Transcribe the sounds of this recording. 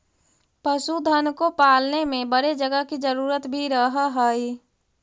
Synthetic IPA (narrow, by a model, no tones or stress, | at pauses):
pəsud̪ʱənkopaːlnemẽbəɾed͡ʒəɡəkid͡ʒəɾuːɾət̪bʱiɾəɦɦəi